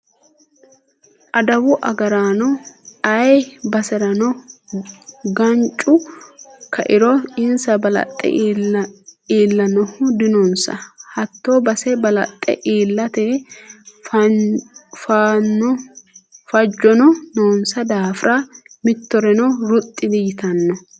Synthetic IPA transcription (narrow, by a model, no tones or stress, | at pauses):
ʔɐd̪ɐwʊʔɐɡɐɾaːnɔɐjbɐsɛɾɐnɔ | ɡɐnt͡ʃʼʊ | kʰɐ̰ʔɪɾɔɪnsɐbɐlɐ̰t̪ʼːɛ̰ | iːlːɐnɔhʊd̪ɪnɔnsɐ̰hɐt̪ːoːbɐsɛbɐlɐ̰t̪ʼːɛ̰ʔeːlːɐt̪ɛ | f | faːnːɔ | fɐd͡ʒːɔnɔnoːnsɐd̪aːfɾʔamɪt̪ːɔɾɛnɔɾʊt̪ʼːɪd̪ɪjɪt̪ɐnːɔ